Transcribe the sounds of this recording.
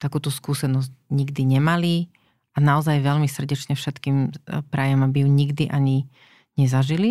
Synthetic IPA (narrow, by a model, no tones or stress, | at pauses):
t̪akuːt̪uskuːsɛnɔzcɲiɡd̪iɲɛmali | anaɔzajʋɛlmisr̩ɟɛt͡ʃɲɛfʃɛt̪kiːmpɾajɔmabijuɲiɡd̪iʔaɲi | ɲɛzaʒili